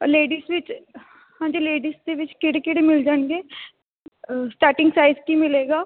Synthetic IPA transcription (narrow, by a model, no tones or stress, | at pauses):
leːɖiːsʋɪt͡ʃ | hãːɲd͡ʒiːleːɖiːsd̪eːʋɪt͡ʃkɪɽekɪɽeːmɪld͡ʒaːnɡeː | sʈaːɾʈɪ̃ŋɡsaːɪzkimɪleːɡaː